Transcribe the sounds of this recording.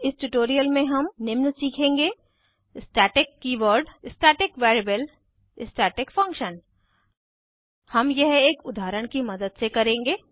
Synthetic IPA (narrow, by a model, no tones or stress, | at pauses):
ɪsʈuʈoːɾijəlmẽɦɐmnɪmnsiːkʰẽːŋɡeː | ɪsʈɛːʈɪkːiʋəɾɖɪsʈeːʈɪkʋɛːɾebəl | ɪsʈɛːʈɪkfɐ̃ŋkʃən | hɐmjɐɦeːkʊd̪ʱaːɾəɽ̃kimɐd̪əd̪sekɐɾẽːŋɡeː